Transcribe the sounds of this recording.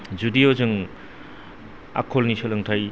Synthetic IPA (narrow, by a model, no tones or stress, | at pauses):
d͡ʒudijozɯŋ | a̰kʰolnisɯlɯŋtʰaj